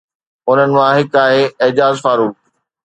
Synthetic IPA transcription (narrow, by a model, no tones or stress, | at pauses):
ʊn̤ənɪ̆mãɦɪkaːɦeːɪd͡ʑaːzfaːɾuː